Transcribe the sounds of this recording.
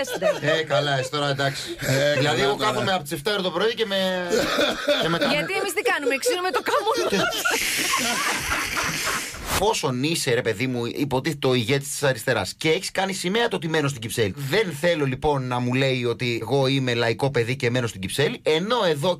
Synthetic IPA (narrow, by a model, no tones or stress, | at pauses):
sekɐlɐest̪oɾɐd̪ɐksi̥ðilɐðieɣokɐomeɐpt̪ise̞ft̪ɐoɾot̪opɾo̞iceme | emekɐɐt̪iemizt̪ikɐnumeksinumet̪okɐmo | po̞so̞niseɾe̞pe̞ðimuipo̞t̪iθet̪o̞iʝe̞t̪i̥st̪i̥sɐɾist̪e̞ɾɐsceeçi̥skɐnisime̞ɐt̪oot̪ime̞nost̪iɟipseliðe̞nθe̞lo̞lipo̞nːɐmule̞io̞t̪ieɣo̞ime̞lɐiko̞pe̞ðice̞me̞no̞st̪iɟipse̞liʔe̞no̞e̞ðo̞